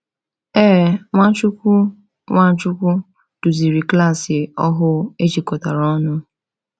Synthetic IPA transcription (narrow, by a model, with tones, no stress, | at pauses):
ɛ˦˨ŋʷa˦t͡ʃu˦kʷu˦ | ŋʷa˦t͡ʃu˦kʷu˦ | d̥ʊ˨zi˨ɾi˨kla˦˨sɪ˨ɔ˦ɦʊ˦e˦t͡ʃi˨kɔ˨ta˨ɾɔ˦nʊ˦